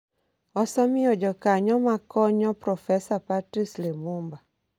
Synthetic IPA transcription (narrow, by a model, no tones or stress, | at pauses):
ɔsɔmiɔd͡ʒɔkaɲɔmakɔɲɔpɾɔfɛsapatɾislemumba